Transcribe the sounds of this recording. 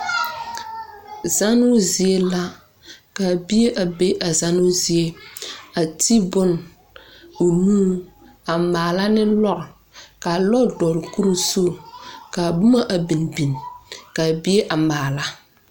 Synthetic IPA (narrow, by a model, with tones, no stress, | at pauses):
za˦nʊ˦zi˨e˦la˦ | ka˨bi˦e˦ʔa˨be˦ʔa˨za˦nʊ˦zi˦e˦a˨ti˦bʊ˦n | o˨nuː˦ | a˨maː˨la˦nɪ˦lɔ˦ɾɪ˨ | ka˨lɔ˦dɔ˨lku˦ɾu˦so˦˨ka˨bʊ˦ma˦ʔa˨bi˨n˨bi˨n˨ka˨bi˦e˦ʔa˨maː˨la˦